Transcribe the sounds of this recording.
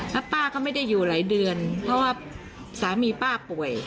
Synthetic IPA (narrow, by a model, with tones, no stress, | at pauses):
la˦˥paː˥˩kʰaː˥˩wma˥˩jda˥˩jːuː˨˩laː˩˦jdɯ˧ənpʰɾɔ˦˥waː˥˩ | saː˩˦miː˧paː˥˩pu˨˩əj